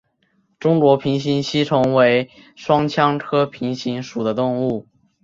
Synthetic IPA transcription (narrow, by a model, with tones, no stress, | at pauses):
ʈ͡ʂʊ˥ŋkwɔ˧˥pʰi˧˥ŋɕ̬i˧˥nɕi˥ʈ͡ʂʰɤ˧˥ŋwe˧˥ɪ | ʂwɑ˥ŋt͡ɕʰjɑ˥ŋʈ͡ʂʰɤ˥pʰi˧˥ŋɕi˧˥nʂu˨˩d̪ə˦t̪ʊ˥˧ŋu˥˩